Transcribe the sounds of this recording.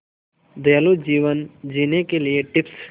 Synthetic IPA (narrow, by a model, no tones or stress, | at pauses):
d̪elud͡ʒiːʋənd͡ʒinekelieʈɪps